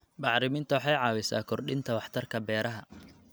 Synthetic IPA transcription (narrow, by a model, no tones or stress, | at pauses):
bɑħɾɪmɪnt̪ʰɐwɑħɑjʕɑːwɪsa̰ːkʰɔrɗɪnt̪ʰɐwɑħt̪ʰɐrkʰɐbɛːɾɐɦɐ